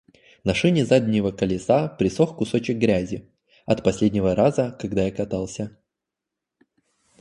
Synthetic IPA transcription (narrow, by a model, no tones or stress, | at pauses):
nɐʂɨnʲɪzad̪ʲnʲɪvəkəlʲɪsapɾʲɪsoxkʊso̞t͡ɕɪk̚ɡɾʲæzʲɪ | ɐt̪pɐsʲlʲedʲnʲɪvəɾazəkɐɡd̪ajakɐt̪alˠsʲə